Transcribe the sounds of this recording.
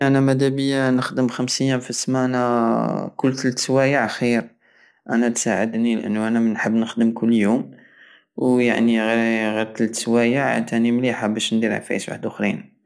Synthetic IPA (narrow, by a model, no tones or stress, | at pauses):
ʔænæmæd̪æbəjːanəxd̪əmxəmsijæfəsmænækʊlːt̪əlt̪swæjəʕxiɾ | ʔænæt̪saʕəd̪nilʔə̰nːuʔænæmnħəbːnəxd̪əmkʊlːjum | wjaʕniɣɣiɾt̪əlt̪swæjəʕt̪ʰænimliħabæʃnd̪iɾ̰ʕfæ̰jəswa̰ħəd̪ʊxɾḭn